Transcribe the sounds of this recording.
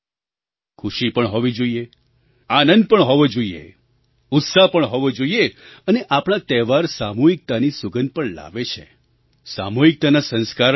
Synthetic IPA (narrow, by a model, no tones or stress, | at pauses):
kʰuʃipəɳɦɔʋid͡ʒoie | anə̃nd̪̚pəɳɦɔʋod͡ʒoiḛ | ʊt̪sapəɳɦɔʋod͡ʒoieəneʔapɽ̃at̪ɛʋaɾsamuɦik̚t̪anisuɡənpəɳla̰ʋet͡ʃʰḛ | sa̰muɦik̚t̪anasə̃nskaɾ